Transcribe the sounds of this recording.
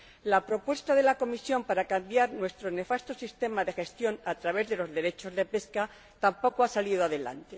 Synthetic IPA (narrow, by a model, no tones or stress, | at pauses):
lapɾo̞pwe̞st̪aðe̞lako̞misjo̞mpaɾakambjaɾnwe̞st̪ɾo̞ne̞fast̪o̞sist̪e̞maðe̞xe̞st̪jo̞nat̪ɾaβ̞e̞zðe̞lo̞zðe̞ɾe̞t͡ʃo̞zðe̞pe̞ska | t̪ampo̞koasaliðoaðe̞la̰nt̪e